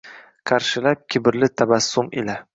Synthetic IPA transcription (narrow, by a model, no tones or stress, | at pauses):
qʰɑɾʃɪlap̚kʲʰɪbɪɾlɪt̪ʰabasːʊmḛla